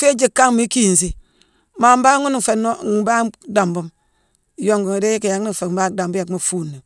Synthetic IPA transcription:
fe˦d͡ʒi˦kːa˦mi˦ki˦˨n˨si˦ | ma˨m˦ba˦ŋu˦n˦˨fe˨˦no˦˨˦ba˦da˨mbu˦m˨ | jo˦ŋɡu˨ŋa˨de˦ji˦ki˨ja˨ŋ˦i˦˨fe˨m̩˦ba˦da˨mbu˦ja˨kma˨fu˦nːi˨

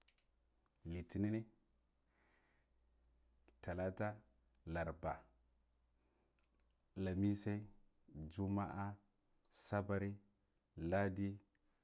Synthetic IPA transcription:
li˨ti˨ni˦ni˦ | ta˨la˦ta˦ | la˨ɾba˨ | la˨mi˦sa˦i˦ | d͡ʒu˦ma̰˦ʔa˦ | sa˦ba˨ɾi˦ | la˦di˦

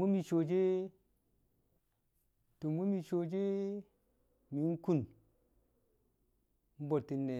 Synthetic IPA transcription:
mu˦mi˨t͡ʃo˨d͡ʒe˦ | to˨mu˦mi˨t͡ʃo˨d͡ʒe˦ | mi˨˦n˦ku˦˨n | m̩˦bo˨tːi˨nːe˨

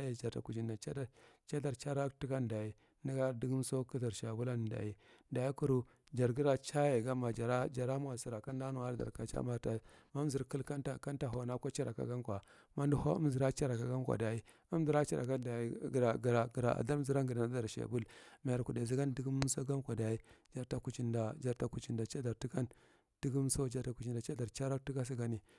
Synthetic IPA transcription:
je˨d͡ʒa˨ɾta̰˨ku˨d͡ʒi˨na˨t͡ʃa˦da˦t͡ʃa˦da˨ɾt͡ʃa˦ɾa˦ti˦ka˦n˨da˨i˨ | ni˦ɡa˦di˦ɡm˦so˦ki˦da˨ɾʃa˨bu˦la˦n˨da̰˨ji˦da˨i˦ku˦ɾu˦ | d͡ʒa˨ɾɡi˦ɾa˦t͡ʃa˦je˨ɡa˦ma˨d͡ʒa˨ɾa˦d͡ʒa˨ɾa˦m˦a˨si˨ɾa˨ka˦n˦da˦nu˨a˦ɾda̰˨ɾka˨t͡ʃa̰˦ma˨ta˨ma˦m˦zi˨ɾki˦ka˦nta˨ka˦nta˨ɦo˨na˦kʷo˦t͡ʃa˦ɾa̰˨ka̰˨ɡa˦mkʷa˨ | ma˦n˦du˦ho˦ṵ˦m˦zi˨ɾa˦t͡ʃa˦ɾa˨ka˨ɡa˦nkʷa̰˨da˨i˦ | u˦m˦di˨ɾa˦t͡ʃa̰˦˨ɾa̰˨ka˦da˨i˦ɡɾa˨ɡɾa˨ɡɾa̰˨ʔa̰˨da˦ɾzi˦ɾa˦ɡi˨da˨na˨˦da˨ɾʃḛ˨bu˦lma˨ja˨ɾku˨de˨zi˦ɡa˦n˦di˦ɡu˦m˦so˦ɡa˦n˦kʷa˨da˨i˦d͡ʒa˨ɾta˨ku˨t͡ʃi˦nda˨d͡ʒa˨ɾta˦ku˨t͡ʃi˨nda˨t͡ʃa˦da˨ɾti˦ɡa˦n | d̥i˦ɡu˦m˦so˦d͡ʒa˨ɾta˦ku˨t͡ʃi˨nda˨t͡ʃa˦da˨ɾt͡ʃa˦ɾa˦ti˦ɡa˦s̬i˦ɡa˦ni˨

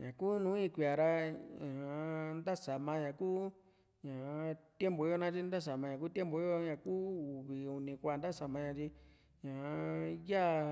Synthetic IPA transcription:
ɲã˨ku˦nũ˦ĩ˦˧kʷi˧˨a˨ɾa˧ɲã˨˧nd̪a˦sa˨mã˧ɲã˨kuː˦ | ɲã˨˧t̪je˦mbo˨i˦jo˦˧nã˦t͡ʃi˦nd̪a˦s̬a˨mã˧ɲã˨k̬u˦t̪ʲe˦mbo˨i˦jo˧ɲã˨kuː˦u˨βi˨u˧nĩ˧kʷa˧˨nd̪a˦˨sa˨mã˧ɲã˧t͡ʃi˧ | ɲã˨˧ja˦˧

